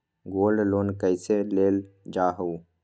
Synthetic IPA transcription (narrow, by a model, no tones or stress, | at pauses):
ɡoːlɖloːnkəjseleːld͡ʒaːɦou